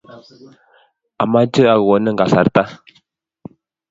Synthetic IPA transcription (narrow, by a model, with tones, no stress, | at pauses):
a˨ma˦d͡ʒə˦a˨ɣwɔ˨˦nə˦ŋ̩˨ɡa˨sa˨ɾta˦